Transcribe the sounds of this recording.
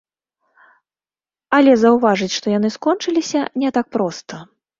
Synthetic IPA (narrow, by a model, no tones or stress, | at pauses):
ɐlʲɛzɐwvaʐɨt͡sʲʂt̪ɔjanɨskɔnt͡ʂɨlʲisʲɐnʲɛt̪ak̚pɾɔst̪ɐ